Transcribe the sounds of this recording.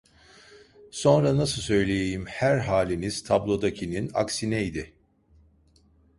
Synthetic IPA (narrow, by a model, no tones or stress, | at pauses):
so̞nɾanasɯsø̞jlʲejejimhæɾɦaːlʲiniz̥t̪ʰablˠo̞d̪acʰinina̰ksinɛid̪ɪ